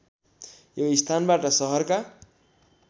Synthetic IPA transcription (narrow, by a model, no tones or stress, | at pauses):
joist̪ʰanbaʈʌsʌɦʌrka